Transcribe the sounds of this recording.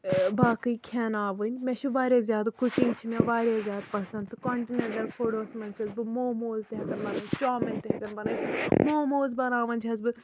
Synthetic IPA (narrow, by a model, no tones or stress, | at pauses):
baːkɨikʰɛːnaːʋɨnʲmɛ̃ːʃʰuʋaːɾjeːzʲjaːd̪kʊkĩŋɡt͡ʃʰimɛ̃ʋaːɾʲjaːzjaːd̪pɐsɐ̃nt̪ɨkɔːɳʈiːnɐɳʈɐlfʰoːɽoːsmɐ̃nt͡ʃʰɐzbɨmoːmoːzt̪ɛːɡɐnbɐnaːt͡ʃoːmɪnt̪ɛːkɐnbɐnaːmoːmoːzbɐnaːʋɐnʲt͡ʃʰɐzbɨ